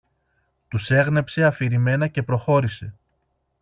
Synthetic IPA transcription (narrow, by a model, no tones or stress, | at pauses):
t̪use̞ɣnepse̞ɐfiɾime̞nɐce̞pɾo̞xo̞ɾise̞